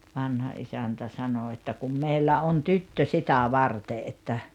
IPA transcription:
ʋɑnhɑ ʔisæntæ sɑnoˑ etːæ kum meilːæ on tytːø sitæ ʋɑrte ʔetːæ

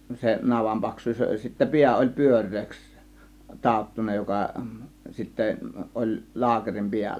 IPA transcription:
se nɑʋɑm pɑksˑuːs olʲ jɑ sitːæ piæ olʲ pyørˑeːks tɑˑotːunɑ jokɑ sitːæ ʔolʲ lɑːkerim piælːæ

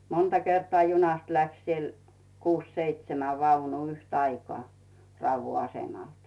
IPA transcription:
montɑ kertŏɑˑ junɑst læks siel kuːs seitsemæ ʋɑunuː yhtɑikoɑˑ rɑuʋːu ɑsemɑlt

